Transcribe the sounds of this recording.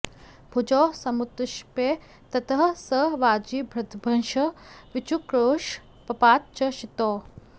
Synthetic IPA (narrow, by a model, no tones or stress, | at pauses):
bʱud͡ʒɔːsɐmut̪ɪʃpeː | t̪ɐt̪ɦɐsəʋaːd͡ʒiːbʱɾɐt̪bʱɐnʃɐʋɪt͡ʃukɾoːʃ | pɐpaːt̪̚t͡ʃɐʃit̪oː